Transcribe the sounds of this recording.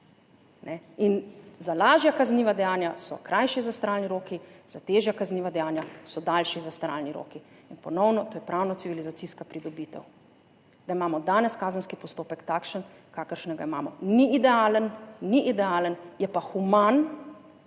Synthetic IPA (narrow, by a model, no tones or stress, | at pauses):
nʔɛinzalaːʒjakazniːʋad̪ɛjaːnjasɔ̰kɾajʃizast̪ɾaːlniɾoːkiz̥at̪eːʒjakazniːʋad̪ɛjaːnjasɔd̪aːlʃizast̪ɾa̰ːlniɾo̰ːki | inpɔnɔwnɔt̪oːjɛpɾʔawnɔt̪siʋilizat̪siskapɾid̪ɔbiːt̪ɛ̰w | d̪aimaːmɔd̪aːnɛskaːzənskipɔst̪oːpɛkt̪aːkʃən | kaːkəɾʃnɛɡaima̰ːmɔ̰niːd̪ɛaːlənːiʔid̪ɛaːlənjɛpaxuman